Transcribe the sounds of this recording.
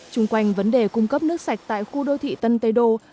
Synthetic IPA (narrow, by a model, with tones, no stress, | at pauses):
t͡ɕʊ˧ŋ͡mkwa˧jŋ̟və˨˦nɗe˨˩kʊ˧ŋ͡mkə˦˥p̚nɨ˦˥ək̚sa˨˩jk̟̚t̪a̰ː˧˨jxu˧ɗo˧t̪ʰḭ˧˨t̪ə˧nt̪ə˨˧jɗo˧